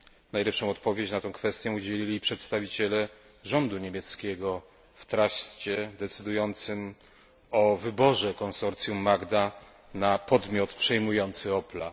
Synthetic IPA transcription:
najlɛpʂɔ̃w̃ɔt̪pɔvʲjet͡ɕnat̪ɛ̃w̃kfɛst̪ʲjɛ̃ud͡ʑelʲilʲipʂɛt̪st̪avʲit͡ɕɛlɛ | ʐɔnd̪uɲemʲjɛt̪skʲɛɡɔ | ft̪ɾaʂt͡ɕɛd̪ɛt̪sɘd̪ujɔnt̪sɘm | ɔvɘbɔʐɛkɔnsɔɾt̪sʲjumːaɡd̪a | napɔd̪mʲjɔt̪pʂɛjmujɔnt̪sɘɔpla

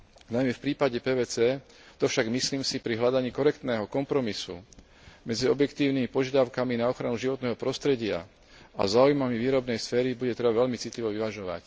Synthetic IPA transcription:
najmɛfpɾiːpaɟɛpɛːʋɛːt͡sɛː | t̪ɔfʃaɡmisliːmsipɾiɦlad̪aɲiːkɔɾɛkt̪nɛːɦɔkɔmpɾɔmisṵ | mɛd͡ziɔbjɛkt̪iːʊnimipɔʒjad̪aʊkaminaɔxɾanuʒiʋɔt̪nɛːɦɔpɾɔst̪ɾɛɟɪa̰ | a̰zaːujmamiʋiːɾɔbnɛjsfɛːɾibuɟɛt̪ɾɛbaʋɛʎmit͡sit̪liʋɔʋiʋaʒɔʋa̰c

